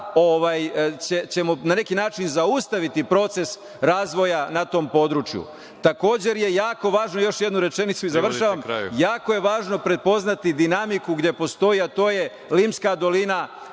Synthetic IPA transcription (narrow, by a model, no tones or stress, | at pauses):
o̞ʋajt͡ɕet͡ɕe̞monane̞kinaːt͡ʃinzaust̪aʋit̪ipɾo̞t̪se̞s | ɾaːzʋo̞janat̪o̞ːmpo̞d̪ɾuːt͡ʃjṵ | t̪ako̞ːd͡ʑe̞ɾje̞jaːko̞ʋaːʒno̞jo̞ʃjed̪nuɾe̞t͡ʃe̞nit̪suizaʋr̩ʃaʋama̰jaːko̞je̞ʋaːʒno̞pɾe̞t̪̚po̞znat̪id̪inamikuɡd̪je̞po̞st̪o̞iat̪o̞ːje̞ | liːmskad̪o̞lina